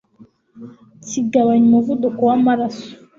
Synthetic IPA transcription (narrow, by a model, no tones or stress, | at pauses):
tiɡawaɲmovud̪okuwamaɾasu̥